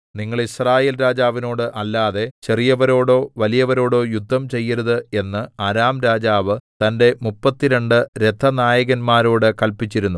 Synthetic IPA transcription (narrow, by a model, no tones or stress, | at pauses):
niŋːɐɭisraːjeːlɾaːd͡ʑaːʋino̞ːɽɨʔɐlːaːðe̞t͡ɕe̞rijɐʋɐɾo̞ːɽo̞ːʋɐlijɐʋɐɾo̞ːɽo̞ːjud̪ʱːɐmt͡ɕe̞jːɐɾuðɨe̞nːɨaɾaːmɾaːd͡ʑaːʋɨt̪ɐnde̞mupːɐt̪ːiɾe̞ɳɖɨɾe̞t̪ʰːɐnaːjɐɣɐnmaːɾo̞ːɽɨkɐlpit͡ɕːiɾunːu